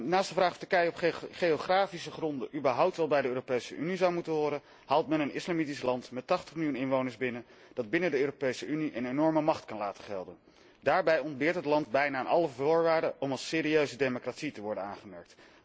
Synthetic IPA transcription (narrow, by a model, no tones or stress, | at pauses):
naːstdəvraːχtəɹkɛjəɔpχejoχraːfisəχrɔndəʔybəɹɦʌwp̚tʋɛlˠbɛjdəøːropejsəʔynizɑwmutənɦʊːɾən | ɦaːlˠtmɛnənɪslɑmitislɑntmɛtɑχtəχmɪlˠjunɪnʋownəɹzbɪnə | d̥ɑd̚bɪnədəøːropejsəyniʔənenɔɹməmɑχtkɑnlaːtəχɛlˠdən | daːɹbɛjɔnd̚bɪːɹtɦətlɑntbɛjnaːnɑləvʊːɹʋaːɹdəʔɔmɑlˠsɪːɾiøɥzədejmokratsitəʋɔɹdənaːnχəmɛɹk̚t